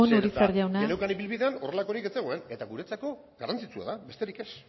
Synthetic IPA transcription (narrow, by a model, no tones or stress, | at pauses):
onoɾisaɾʝawnanekaniβilβiðeano̞re̞lako̞ɾike̞t͡se̞ɣoe̞ne̞t̪aɣuɾe̞t͡sako̞ | ɣarant͡sit͡sua̰ðabe̞st̪e̞ɾike̞s